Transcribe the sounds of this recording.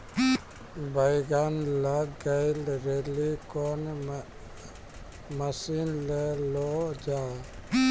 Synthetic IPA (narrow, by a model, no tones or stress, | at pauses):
bəjɡanlaɡɡəjlɾelikɔn | məsinlelod͡ʒa